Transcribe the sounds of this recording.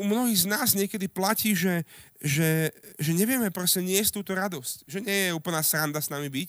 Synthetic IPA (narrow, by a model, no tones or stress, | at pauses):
umnɔɦiːɣznaːzɲɪɛkɛd̪iplaciːʒɛʒɛʒɛɲɛʋɪɛmɛpɾɛsɛɲɪɛst̪uːt̪ɔɾad̪ɔscʒɛɲɪɛjɛuːpl̩naːsɾand̪asnamibic